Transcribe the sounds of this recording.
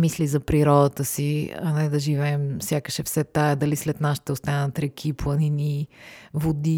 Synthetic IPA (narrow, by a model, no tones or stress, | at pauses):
mislizɐpɾiɾɔd̪ət̪əsiɐ̰nɛd̪ɐʒivɛːmfsʲjakəʃɛfsɛt̪aɛd̪ɐlislɛt̪nast̪ɛʊst̪anət̪ɾɛkʰipolˠɐninivod̪i